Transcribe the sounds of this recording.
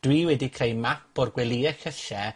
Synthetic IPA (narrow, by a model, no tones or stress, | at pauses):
d̥wiːwɛdikʰr̥ejmapʰɔrɡwɛlˠiɛxəɬɛ